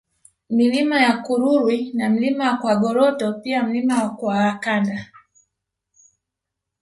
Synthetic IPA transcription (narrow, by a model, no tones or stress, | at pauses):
milimajakuɾuɾwinam̩limawakwaɡɔɾɔtɔpiam̩limawakwaːkanda